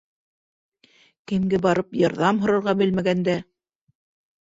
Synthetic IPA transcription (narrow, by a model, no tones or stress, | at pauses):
kɘ̆mɡɘbɑɾɤpjɑɾðɑmɦŏɾɤ̆ɾʁɑbɘ̆lmæɡænd̪æ